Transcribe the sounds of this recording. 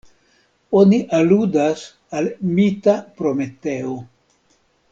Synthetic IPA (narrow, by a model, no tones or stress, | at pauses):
oniʔaludas | almitapɾo̞me̞te̞o